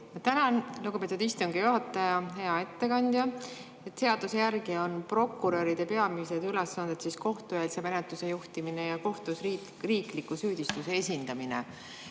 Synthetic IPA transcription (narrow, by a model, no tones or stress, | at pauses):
jɑt̪ænɑnluɡ̥upe̞t̪ud̪ist̪uŋɡijuɦɑt̪ːˑɑjɑɦe̞ɑe̞t̪ːe̞kɑnʲd̪̥jɑ | e̞t̪ːˑse̞ɑd̪̥usejærɡio̞npro̞kːuɾøɾid̪̥e̞pe̞ɑmise̞d̪ylesːɑnd̪̥et̪sisko̞ht̪ujelisemenet̪ːˑuse̞juht̪imine̞jɑko̞ht̪usri | riːklikːˑusyːd̪̥ist̪use̞esʲind̪ɑminḛ